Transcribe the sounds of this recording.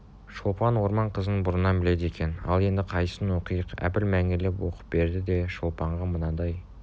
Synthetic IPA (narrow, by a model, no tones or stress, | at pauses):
ʃolˠpɑnwo̞ɾmɑɴqʰəzənbʊɾənɑbɪle̞d̪e̞kʲe̞nɑ̰lˠe̞nd̪ɪqʰɑjsənwo̞qijəqæ̰pɪlmæŋɪlepwoqə̥p̚be̞ɾd̪ɪd̪e̞ʃolˠpɑɴʁɑmənɑd̪ɑj